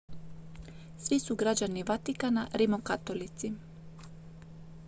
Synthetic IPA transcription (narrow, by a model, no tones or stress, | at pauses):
sʋisuɡɾad͡ʑaniʋat̪ikanaɾimokat̪olit̪si